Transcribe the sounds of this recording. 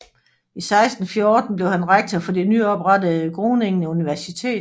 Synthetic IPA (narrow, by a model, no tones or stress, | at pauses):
isɑ̈ɪsd̥n̩fjo̝ːd̥n̩b̥le̝ʊhænʁaɡ̥̚t͡sʰɒfɒ̽d̥e̝nyːɒ̽b̥ʁɑdəð̩ˠɡ̥ʁoːne̝ŋnəuniʋæɐsit͡sʰe̝̰ːd̥